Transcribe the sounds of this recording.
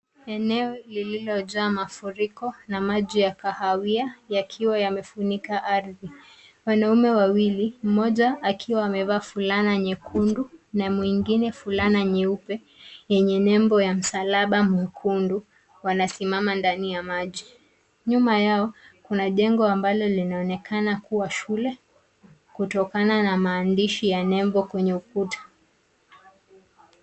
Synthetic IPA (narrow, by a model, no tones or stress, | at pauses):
ɛnɛɔlililɔʄaːmafuɾikɔnamaʄijakahawiajakʰiwajamɛfunikaʔaɾði | wanaumɛwawilim̩mɔʄaːkʰiwaːmɛvaːfulanaɲɛkʰundunamwiŋɡinɛfulanaɲɛupɛ | jɛɲɛnɛmbɔjam̩salaɓamwɛkʰundu | wanasimamandanijamaʄi | ɲumajaɔkunaʄɛŋɡɔambalɔlinaɔnɛkʰanakuwaʃulɛ | kutɔkananamaːndiʃijanɛmbɔkwɛɲɛukutḁ